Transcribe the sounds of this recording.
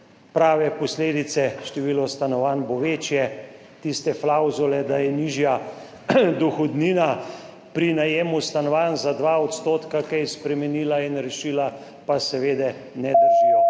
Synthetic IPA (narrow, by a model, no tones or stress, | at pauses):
pɾaːʋɛpɔsleːd̪it̪sɛʃt̪ɛʋiːlɔst̪anɔʋaːnboʋeːt͡ʃjɛ | t̪ist̪ɛflawzulɛd̪ajɛniʒja | d̪uxɔd̪niːna | pɾinajeːmust̪anɔʋaːnzad̪ʋaːɔt̪st̪oːt̪kakɛjɛspɾɛmɛniːlainɾɛʃiːla | pasɛʋeːd̪ɛnɛd̪əɾʒia